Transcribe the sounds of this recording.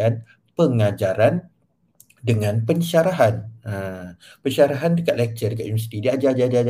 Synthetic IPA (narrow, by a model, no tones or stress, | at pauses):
an | pəŋad͡ʒaɾan | dəŋãnpəɲʃaɾaɦanapəɲʃaɾaɦandəkat̪̚lɛk̚t͡ʃədəkatʔ̪̚univɛsi̥t̪idiad͡ʒad͡ʒad͡ʒaa